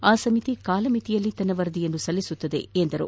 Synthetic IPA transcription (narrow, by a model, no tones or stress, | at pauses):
aːsɐmit̪ikaːlɐmit̪ijɐlːit̪ɐnɐʋɐɾd̪ijɐnːusɐlːisut̪ːɐd̪ḛend̪ɐɾṵ